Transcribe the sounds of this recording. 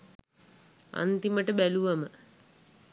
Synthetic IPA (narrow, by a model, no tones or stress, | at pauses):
a̰nt̪iməʈəbæluʋamə